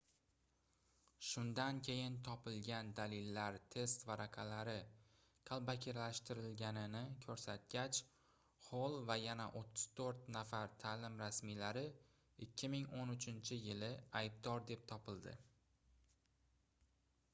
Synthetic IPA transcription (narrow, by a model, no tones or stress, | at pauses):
ʃʊnd̪ankʲʰe̞jɪnt̪ʰɒpɪlɡʲand̪alɪlːaɾt̪ʰe̞st̪vaɾʔaqʰɑlaɾɪ | qʰɑlˠbakʲʰeɾlaʃt̪ɪɾɪlɡʲanɪnɪkʲʰɵɾsat̪̚kʲat͡ʃ | holˠvajana̰ʔot̪ʰːʊ̥z̥t̪ʰɵɾt̪nafaɾt̪ʰaːlɪmɾasmilaɾɪ | ɪkʲʰːɪmɪŋonʊt͡ʃʰɪnt͡ʃʰɪjɪlɪajb̚d̪ɒɾd̪e̞p̚t̪ʰɒpɪlˠd̪ɪ̰